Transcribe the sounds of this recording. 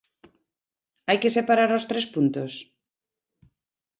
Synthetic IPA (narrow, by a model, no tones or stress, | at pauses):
ajkesepaɾaɾost̪ɾespunt̪os